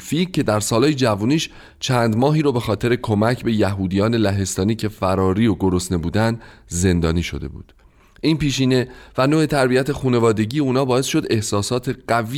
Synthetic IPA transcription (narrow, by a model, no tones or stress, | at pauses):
ficʰːe̞d̪æɾsɒːlɒːjed͡ʒævuːniːʃ | t͡ʃʰæːnd̪mɒːɦiːɾobe̞xɒːt̪ʰe̞ɾe̞kʰomæcʰbe̞jæɦuːd̪ijɒːne̞læɦe̞st̪ɒːniːcʰe̞fæɾɒːɾiːoɡoɾosne̞buːd̪ænd̪ze̞nd̪ɒ̰ːniːʃo̞̰d̪e̞̰bṵːd̪̥ | ʔiːnpiːʃiːne̞vænoːet̪ʰæɾbijæt̪ʰe̞xuːne̞vɒːd̪e̞ɟiːeuːnɒːbɒːe̞sʃo̞d̪e̞hsɒːsɒːt̪ʰe̞ɢævi